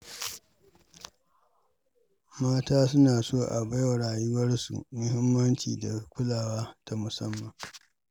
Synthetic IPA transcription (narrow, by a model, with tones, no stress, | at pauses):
maː˦taː˦sʊ˦naː˨soː˦˨ʔa̰˨ba˦jwa˨ɽaː˨jʊ˦wɐ˦rsṵ˨mʊ˦hɪ˦mːɐ˦nt͡ʃḭː˨da˨kʷʊ˦laː˨waː˦ta˨mʊ˨sɐ˦mːɐ˨ŋ